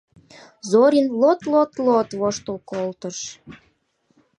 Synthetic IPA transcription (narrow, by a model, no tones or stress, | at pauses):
zoɾʲinlot̪lot̪lot̪βoʃt̪əlkolt̪əʃ